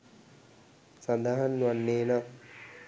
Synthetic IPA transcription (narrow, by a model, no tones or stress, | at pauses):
sand̪aɦanːuanːeːna